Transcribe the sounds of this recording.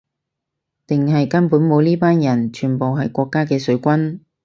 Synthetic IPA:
t̪ɪ˨ŋɦɐ˨jkɐ˥npuː˨˥nmo˨˧wliː˥paː˥njɐ˨˩nt͡ʃʰyː˨˩npo˨wɦɐ˨jkʷɔː˧kːaː˥kɛː˧sɵ˨˥ɥkʷɐ˥n

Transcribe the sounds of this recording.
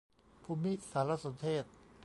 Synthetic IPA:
pʰuː˧mi˦˥ʔsaː˩˦la˦˧so˩˦nt̪ʰeː˥˩t̪̚

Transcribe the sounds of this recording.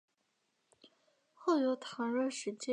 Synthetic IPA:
xo˥˩ʊjo˧˥ʊt̪ʰɑ˧˥ŋɻɤ˥˩ʂɻ̩˧˥t͡ɕjɛ˥

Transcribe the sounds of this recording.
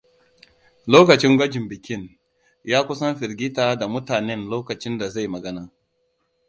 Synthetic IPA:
loː˦kɐ˨t͡ʃɪ˦ŋɡʷɐ˦d͡ʒɪ˨mbɪ˨kʲɪ˦˨n | jaː˦kʷʊ˦sɐ˦mɸɪ˨ɾɡʲɪ˦taː˦˨da˨mʊ˦taː˨nɛ˦nloː˦kɐ˨t͡ʃɪ˦nda˨za˦˨jmɐ˨ɡɐ˦naː˨

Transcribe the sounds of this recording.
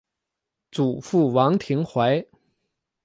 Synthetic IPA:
t͡su˨˩fu˥˩wɑ˧˥ŋt̪ʰi˧˥ŋxwa˧˥ɪ

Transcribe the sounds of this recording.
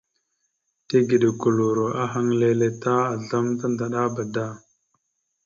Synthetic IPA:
te˦ɡi˨ɗi˨ku˨lu˨ɾo˨ʔa˦ɦa˦ŋle˦le˨ta˦a˨ɮa˦mta˦nda˨ɗa˦ba˨da˦˨

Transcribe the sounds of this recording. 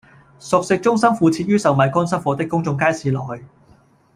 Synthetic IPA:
sʊ˨k̚sɪ˧k̚t͡ʃʊ˥ŋsɐ˥mfuː˧t͡sʰiː˧t̚jyː˥sɐ˨wmɐ˨˧jkɔː˥nsɐ˥nfɔː˨˧t̪ɪ˥kːʊ˥ŋt͡sʊ˧ŋkaː˥jsiː˨˧lɔ˨˩khɵ˧ɥ

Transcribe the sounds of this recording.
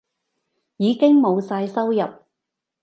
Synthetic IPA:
jiː˨˧kɪ˥ŋmo˨˧wsaː˧jsɐ˥wjɐ˨p̚

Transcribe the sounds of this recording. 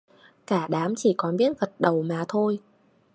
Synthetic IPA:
kaː˧˩ɗaː˨˦mt͡ɕi˧˩kɔ˨˦nɓi˦˥ət̚ɣə˨˩t̚ɗə˨˩wmaː˨˩t̪ʰo˧j

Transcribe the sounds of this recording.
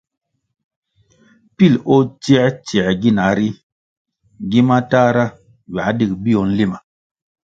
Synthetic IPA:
pi˦˨lo˦ti˦ɛ˦tɛ˨ɡi˦na˨˦ɾi˦ | ɡi˦ma˦ta˦ɾa˦ | wa˨˦di˦˨k̚bi˦ɔ˨n̩˦li˦ma˨

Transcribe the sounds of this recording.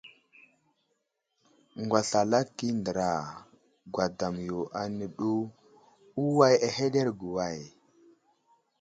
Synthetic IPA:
ŋɡwa˨ɬa˨la˦kːi˦ndə˨ɾa˨ | ɡʷwa˨da˨mjo˨ʔa˨nə˨ɗu˦ | u˦wa˦ja˨he˦ɗe˦ɾɡu˨wa˦˨j

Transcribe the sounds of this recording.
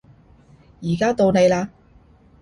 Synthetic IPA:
jiː˨˩kaː˥t̪o˧wne˨jlaː˧

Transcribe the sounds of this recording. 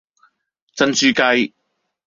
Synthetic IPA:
t͡sɐ˧nsyː˧kɐ˧j

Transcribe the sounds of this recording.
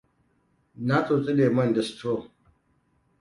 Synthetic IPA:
na˦t͡sʼo˨t͡sʼi˦ɗeː˨mɐ˦ndɐ˨stʰo˦˨

